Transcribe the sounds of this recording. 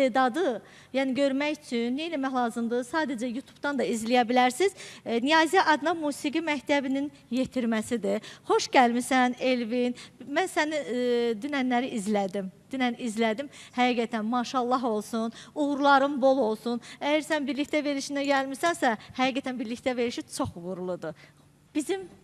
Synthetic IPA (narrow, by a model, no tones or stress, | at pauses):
d̪ɑd̪ɯ | jæːniɟø̞ɾmæjyt͡ʃʰynːejlæmæɦlˠɑːzɯmd̪ɯsɑːd̪æd͡ʒæjut̪ʰu̥bd̪ɑnd̪ɑizlijæbilæɾsiznijɑːzijɑʔɑd̪nɑmuːsiɡimæct̪ʰæbinin | je̞t̪ʰiɾmæsid̪iχo̞ʃɟælmisæne̞lvinmænsænid̪ynænlæɾiʔizlæd̪imd̪̥ynænizlæd̪imhæɡiːɡæt̪ʰænmɑʃɑlˠːɑɦo̞lˠsunuɣɾulˠɑɾɯnbo̞lˠo̞lˠsunæjæɾsænbiɾliçt̪æve̞ɾiʃinæɟælmisænsæhæɡiːɡæt̪ʰænbiɾlicʲt̪æve̞ɾiʃit͡ʃʰo̞χvuɾlˠud̪ɯ | b̥izim